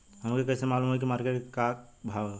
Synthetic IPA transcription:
həmkekɛsemaːlumɦoek̬imaːɾkeʈkabʱa

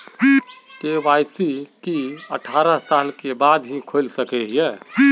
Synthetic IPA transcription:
keːʋaːɪsikiə̰ʈʰaːɾasaːlkebaːd̪ɦĩkʰoɪlsəkeɦiɛ̃ː

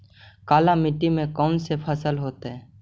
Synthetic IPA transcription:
kaːlamɪʈːimẽkɔːnsepʰəsəlɦoːt̪eɦɛ̃ː

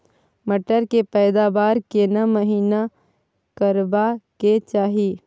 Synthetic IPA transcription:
mɐʈəɾkepɛːd̪aːbaːɾkenamɐɦiːna | kəɾbaket͡ʃaːɦi

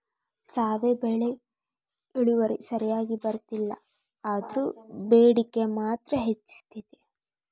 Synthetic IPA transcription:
saːʋebeɭe | iɭuʋɐɾḭsɐɾijaːɡibɐɾt̪ilːɐ̰ | aːd̪ɐɾuːbeːɽikːemaːt̪ɾɐɦet͡ʃːt̪id̪e

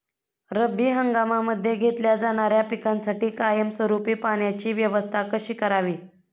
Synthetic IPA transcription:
ɾəbːiːɦəŋɡamaməd̪ʱːjeɡʱet̪ljad͡zaɽ̃aɾjapikansaʈiːkajəmsʋəɾupiːpaɽjat͡ɕiːʋjəʋəst̪ʰakəɕiːkəɾaʋiː

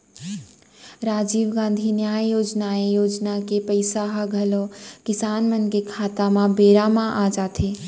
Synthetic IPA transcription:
ɾaːd͡ʒiːʋɡãːn̆d̪ʱinjaːjjoːd͡ʒnaejoːd͡ʒnakepəɪsaɦaɡʱəlokɪsaːnmənkekʰaːt̪amãbeːɾamãʔad͡ʒaːt̪ʰe

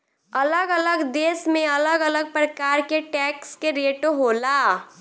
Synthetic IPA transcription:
ɐləɡələɡd̪eːsmẽɐləɡələɡ̚pɾəkaːɾkeʈɛːkskeɾeːʈoɦoːlaː

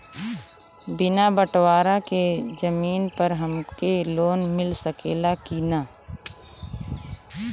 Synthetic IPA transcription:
bɪnabəʈwaːɾaked͡ʒəmiːnpəɾɦəmkeloːnmɪlsəkeːlakina

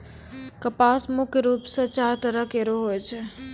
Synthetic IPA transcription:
kəpasmʊkʰɾupsət͡ʃaɾt̪əɾəkeɾoɦojt͡ʃʰe

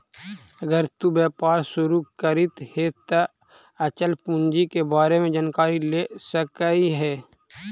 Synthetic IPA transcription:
ɐɡəɾt̪ubɛːpaːɾsʊɾukəɾɪt̪het̪ə | ət͡ʃəlpũnd͡ʒikebaːɾemẽd͡ʒaːnkaːɾilesəkəiɦɛː

